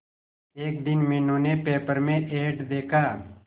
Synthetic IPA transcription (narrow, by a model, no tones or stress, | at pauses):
eːk̚d̪ɪnmɪnõːnepeːpəɾmẽʔeːʈd̪eːkʰaː